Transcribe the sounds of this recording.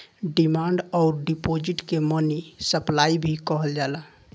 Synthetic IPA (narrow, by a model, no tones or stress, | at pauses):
ɖimãːɳɖɔːɾɖipod͡ʒɪʈkemənisəplaːibʱikəɦəld͡ʒaːla